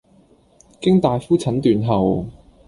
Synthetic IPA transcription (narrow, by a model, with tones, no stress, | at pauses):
kɪ˥ŋt̪aː˨jfuː˥t͡sʰɐ˨˥nt̪yː˨nɦɐ˨w